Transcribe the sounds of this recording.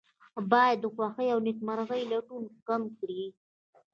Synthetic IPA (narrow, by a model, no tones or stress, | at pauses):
bɑjad̪ːəxwɑxəjawnɪkmaɾaɣəjlaʈunkamkɽi